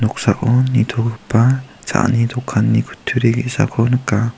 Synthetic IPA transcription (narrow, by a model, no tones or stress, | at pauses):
nɔk̚saʔɔnːit̪ʰɔkɯpːat͡sa̰ʔnid̪ɔkʰːanːikʰu̥tʰːuɾeɡḭʔsa̰kʰɔnɯka